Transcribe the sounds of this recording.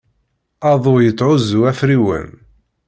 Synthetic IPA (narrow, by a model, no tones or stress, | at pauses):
ɑðˤʊjət͡sːˤʕʊzuæfɾiwə̰n